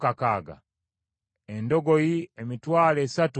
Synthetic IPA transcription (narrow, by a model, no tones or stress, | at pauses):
kakaɡa̰ | endo̞ɡojiemitwaːle̞ːsatu